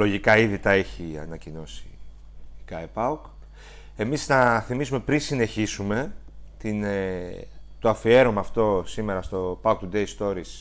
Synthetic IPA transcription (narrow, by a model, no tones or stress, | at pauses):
lo̞ʝikɐiðit̪ɐe̞çiɐ̰nɐcino̞si̥ | ikɐepɐuk | e̞misnɐθimisume̞pɾinsine̞çisume̞t̪in | t̪oɐfie̞ɾo̞mɐːft̪o̞sime̞ɾɐst̪o̞pɐuk̚t̪ud̪e̞jst̪o̞ɾis